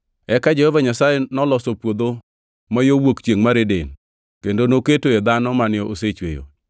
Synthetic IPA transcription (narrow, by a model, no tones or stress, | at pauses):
ɛkad͡ʒɛhɔvaɲasajenɔlɔsopwod̪o | majowokt͡ʃeŋmaɾeden | kendonoketojed̪anɔmanɪɔʔoset͡ʃwḛjo̰